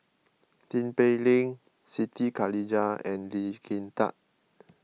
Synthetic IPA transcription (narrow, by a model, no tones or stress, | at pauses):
t̪ĩnpelĩŋ | sit̪ikalid͡ʒaɛ̃nlikʰint̪a̰t̚